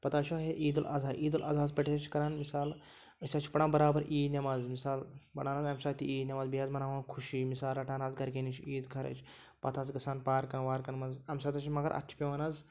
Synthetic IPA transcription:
pɐt̪aːʃaːɦeʔiːd̪ulʔa̰zaːʔiːd̪ulʔɐ̰ːzaːzpʲɐʈet͡ʃʰkɐɾaːnmisaːl | əsʲaːt͡ʃʰi̥pɐɽaːbɐɾaːbɐɾʔiːd̪nʲɐmaːzmisaːlbɐɽaːnaːzɐmsaːt̪iiːd̪nʲɐmaːzbijaːzmɐnaːʋaːnkʰuʃimisaːlɐʈʰaːnaːzɡɐɾkeːnit͡ʃʰiːd̪kʰɐɾɐ̰t͡ʃʰ | pɐt̪ʰaːzɡɐsaːnpaːɾkɐnʋaːɾkɐnmɐzɐmʲsaːt̪ɐt͡ʃʰmɐɡɐ̰ɾʔɐ̰t̪ʰi̥pʲiʋaːnaz

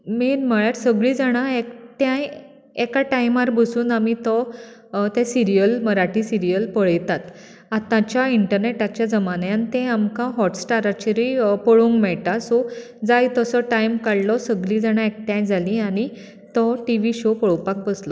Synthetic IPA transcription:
miɾm̤əɭaɾsəɡɭĩd͡zaɽ̃aekʈjãj | ekaʈajmaɾbəsuːnamit̪ɔ | t̪ɛ̃siɾijəlməɾaʈĩsiɾijəlpəɭəjt̪at̪ | at̪ãt͡ɕjaiɳʈəɾneʈat͡ɕjad͡zəmaneant̪ɛ̃amkãɦɔʈsʈaɾat͡ɕiɾipəɭũŋkmɛɭʈ̪asɔ | d͡zajt̪əsɔʈajmkaɽlɔsəɡɭĩd͡zaɽ̃aek̚ʈjãjd͡zʱalĩaɽ̃i | t̪ɔʈiʋiɕopəɭwpak̚bəslɔ

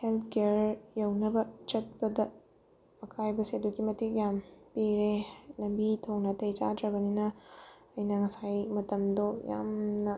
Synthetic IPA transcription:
heltʰkeɾjɐwnɐbɐt͡ʃɐt̚pɐdɐ | ɐkʰajbɐsiɐduɡimɐtikjampiɾelɐmbitʰownɐtɐjt͡ʃa̰dɾɐbɐninɐ | ɐjnɐŋɐsajmɐtɐmdoja̰mnɐ

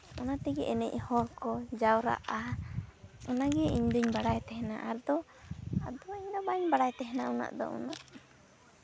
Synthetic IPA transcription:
ɔnat̪ɛɡɛʔɛnɛ̰ʔhɔɾkɔd͡ʒawɾa̰ʔa | ɔnaɡɛiɲd̪uɲbaɽajt̪ɛɦɛnaʔaɾd̪ɔ | ad̪ɔiɲd̪ɔbaɲbaɽajt̪ɛɦɛnauna̰ʔd̪ɔ̰ʔṵnaʔ

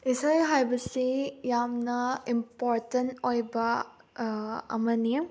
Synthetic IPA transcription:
isajɦajbɐsijamnɐimpoɾtɐntojbɐ | ɐ̰mɐni

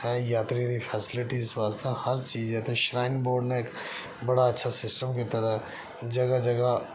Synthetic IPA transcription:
hɛ̃ːjaːt̪ɾiɾipʰɛːsɪlɪʈisʋaːst̪ahɐɾt͡ʃiːzɛːt̪ɛʃɾaːɪnboːɾɖneeːk | bɐɽaɐtːʃʰasɪsʈəmkit̪at̪ʰaː | d͡ʒɐɡad͡ʒɐɡa

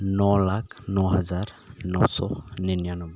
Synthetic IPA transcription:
nɔlakʰnɔɦazaɹ | nɔsɔ̰ninjanɔb

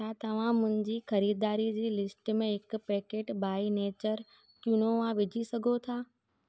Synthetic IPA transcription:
at̪ɐʋ̤ãmʊ̃ɦɪ̃ɲd͡ʑiːxɐɾiːd̪aːɾid͡ʑiːlɪsʈmẽɦɪk̆pɛːkeːʈbaːineːt͡ɕəɾ | t͡ɕʊnoʋãʋɪd͡ʑʱisɐɡʱot̪ʰaː

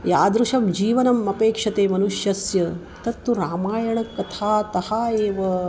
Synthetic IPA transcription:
jaːd̪ɾuʃɐmd͡ʒiːʋɐnɐmɐpeːkʂɐt̪eːmɐnuʂjɐsjɐ | t̪ɐt̪ːuɾaːmaːjɐɳɐkːɐt̪ʰaːt̪ɐhaːeːʋɐ

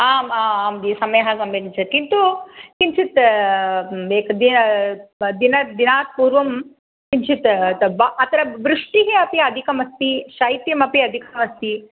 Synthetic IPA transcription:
aːmaːaːmd̪isɐmɐjɐɦɐsɐmbent͡ʃʰɐkint̪ukint͡ʃʰit̪ | eːkd̪in | d̪inɐd̪inaːt̪̚puːɾʋɐm | kint͡ʃʰit̪bʔɐt̪ɐɾɐʋɾuʂʈiɦeɐpiɐd̪ʱikɐmɐst̪iʃɐjt̪jɐmɐpiɐd̪ʱikɐmɐst̪i

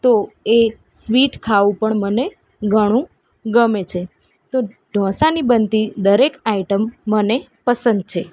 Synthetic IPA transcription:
t̪oe | sʋiʈkʰaʋũpəɳməne | ɡʱəɽ̃ũ | ɡəmet͡ʃʰe | t̪o | ɖʱɔ̃sanibənt̪id̪əɾekaiʈəmːənepəsə̃nd̪̚t͡ʃʰe

